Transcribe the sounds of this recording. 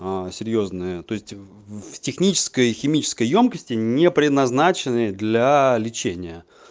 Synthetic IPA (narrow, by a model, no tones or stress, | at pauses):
asʲɪɾʲjo̞znɨjət̪o̞ɪsʲtʲ | ftʲɪxnʲit͡ɕɪ̥skəjxʲɪmʲit͡ɕɪ̥skəjjo̞mkəsʲtʲɪnʲɪpɾʲɪd̪nɐznat͡ɕɪnɨjəd̪lʲalʲɪt͡ɕenʲɪjə